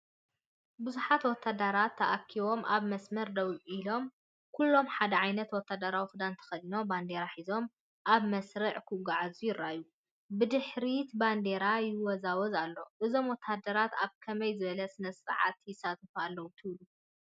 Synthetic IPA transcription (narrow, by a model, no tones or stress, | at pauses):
bɨzuħat̪wɔt̪ʰːad̪ɐɾat̪ʰːɐʔakʰːiβo̞mʔaβmɐsmɐɾd̪ɐwʔʼilo̞m | kʰulːo̞mħad̪ɐʕajnɐt̪wɔt̪ʰːad̪ɐɾawixɨd̪ant̪ʰɐ̥xɐlino̞band̪eɾaħizo̞m | ʔaβmɐsɾɨʕkʰuɡaʕazujɪɾːaju | bɨd̪ɨħɾit̪band̪e̞ɾajɪwɔzawɔzalːo̞ʔɨzo̞mwɔt̪ʰːad̪ɐɾat̪aβkʰɐmɐjzɨβɐlɐsɨnɐsɨ̰ʕa̰t̪jɪsat̪ʰɐfualːɐwut̪ʰɨβlu